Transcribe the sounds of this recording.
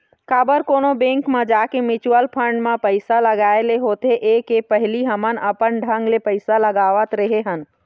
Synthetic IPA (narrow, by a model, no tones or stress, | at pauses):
kaːbəɾkoːnobẽːŋkmẽd͡ʒaːkemɪt͡ʃwəlpʰə̃ɳɖmẽpəɪsaləɡaːeleɦoːt̪eʔeːkepəɦliɦəmənəpənɖʱə̃ŋɡlepəɪsaləɡaːʋət̪ɾəɦeɦən